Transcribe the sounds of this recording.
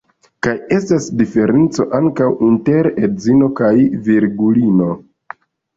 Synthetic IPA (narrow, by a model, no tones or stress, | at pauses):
kaje̞stasdife̞ɾe̞nt͡so̞̰ʔaŋkawinte̞ɾedzino̞kajviɾɡulino̞